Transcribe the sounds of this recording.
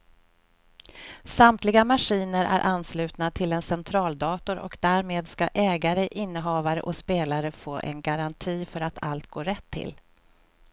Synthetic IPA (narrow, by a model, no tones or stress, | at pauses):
samt̪lɪɡamaʂiːnəɾʔæ̰ɾʔanːslʉ̟ːt̪nat̪ʰɪlɛnsɛnt̪ʰɾɑːld̪ɑːt̪ʊɾɔ̰kd̪æːɾmeːd̪skaʔɛːɡaɾəʔɪnːəɦɑːvaɾə̰ʔɔspeːlaɾəfoːʔɛ̰nɡaɾant̪ʰiːfœɾat̪ʰa̰lt̪̚ɡoːɾɛt̪ʰːɪ̰l